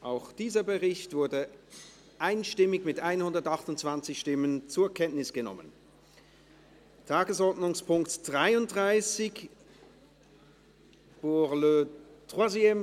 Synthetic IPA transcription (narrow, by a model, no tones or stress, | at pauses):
ʔaʊxd̥iːzɐbəʁɪçtv̥ʊɐdə | ʔaɪnʃtɪmɪçmɪtʔaɪnhʊndɐtaχtʊntt͡sv̥ant͡sɪçʃtɪmənt͡suːɐkʰɛntnɪsɡ̥ənɔ̰mə̰n | tʰaːɡəsɔɐdnʊŋspʊŋktd̥ʁaɪʊnt̚d̥ʁaɪsɪç | b̥ʊʁløtʁazɛm